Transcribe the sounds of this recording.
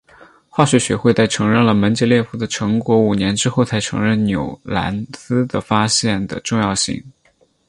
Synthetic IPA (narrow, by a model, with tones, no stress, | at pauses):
xwɑ˥˩ɕɥɛ˥˩ɕɥɛ˧˥xwe˥˧ɪta˥˩ɪʈ͡ʂʰɤ˧˥ŋɻə˥˩nlə˩mə˧˥nt͡ɕjɛ˥ljɛ˥˧fu˥˩d̪ə˨ʈ͡ʂʰɤ˧˥ŋkwɔ˧˥u˨˩njɛ˧˥nʈ͡ʂɻ̩˥xo˥˩ʊt͡sʰa˧˥ɪʈ͡ʂʰɤ̰˧˥ŋɻə˥˩nnjo˨˩ʊla̰˧˥nsɹ̩˥d̪ə˨˩fa˥ɕjɛ˥˩nd̪ə̰˩ʈ͡ʂʊ˥˧ŋjɑ˥˧ʊɕḭ˥˩ŋ